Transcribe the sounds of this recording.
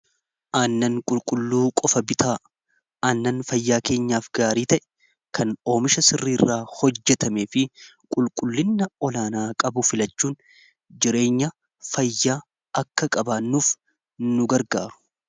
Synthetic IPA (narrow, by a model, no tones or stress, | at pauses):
ʔaːnːɐŋkʼʊlkʼʊlːuːkʼɔfɐbɪt̪ʰaː | aːnːɐnfɐjːaːke̞ːɲːaːfɡaːɾiːt̪ɐʔɛ̥ | kʰɐno̞ːmɪʃɐsɪrːiːrːaːhɔd͡ʒːɛt̪ɐme̞ːfɪ | kʼʊlkʼʊlːɪnːɐɔlaːnaːkʼɐbʊfɪlɐt͡ʃːuːn | d͡ʒɪɾe̞ːɲːɐ | fɐjːaː | ɐkːɐkʼɐbaːnːuːf | nʊɡɐɾɡa̰ːɾʊ̥